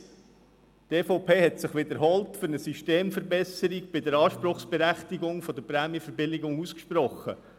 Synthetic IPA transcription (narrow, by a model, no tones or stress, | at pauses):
teːfɔʊpʰeːɦɛtsɪχʋɪd̪əɾɦɔltfʏɾnəsyʃteːmfəɾbɛsəɾik̚b̥ɪdəɾɑːʃpɾʊχsb̥ɛɾæχtiɡʊŋfɔd̪əɾpɾæːmjəfəɾbɪlɪɡʊŋuskʃprɔχə̰